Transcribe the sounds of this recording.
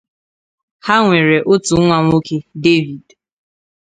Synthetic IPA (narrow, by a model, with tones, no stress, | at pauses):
ha˦ŋʷe˨ɾe˨ʔo˦tu˨˦ŋʷa˦ŋʷ˦o˦ke˦de˦vi˨d